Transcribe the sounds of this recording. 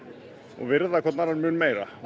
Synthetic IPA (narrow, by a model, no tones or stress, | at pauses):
ɔ̰ɣvɪɾðakʰɛɾt̪naɾaɾmʏːnmeːjɾa̰